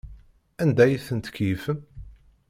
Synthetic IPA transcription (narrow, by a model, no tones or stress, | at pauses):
ænd̪æjiθənt̪ə̥kjifəm